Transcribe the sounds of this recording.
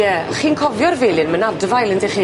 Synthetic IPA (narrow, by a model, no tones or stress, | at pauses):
ɛχiːnkʰɔvjɔrveːlˠɨnmənadvajlˠəndɛχiː